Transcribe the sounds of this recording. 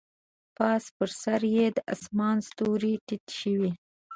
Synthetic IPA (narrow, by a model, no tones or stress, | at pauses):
pɑspəɾsaɾjed̪əʔa̰smɑnst̪oɾiʈit̪ʃəwi